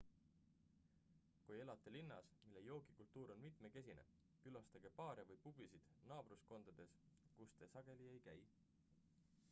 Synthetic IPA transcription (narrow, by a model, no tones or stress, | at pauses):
kuje̞lɑt̪ːˑelinːɑ̰smilːe̞jo̞ːɡ̥ikult̪ːˑuːɾo̞nmit̪me̞ke̞s̬ʲinḛ | kylɑst̪ɑɡ̥e̞pɑːɾjɑvɤjpub̥isid̪̥nɑːb̥rusko̞nd̪̥ɑd̪̥e̞skust̪e̞sɑɡ̥e̞lie̞jkæj